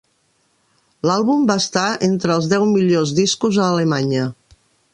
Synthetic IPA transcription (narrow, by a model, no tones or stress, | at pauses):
lalˠβumbast̪aent̪ɾəːlˠzðɛwmiʎozðiskuzəːləmaɲə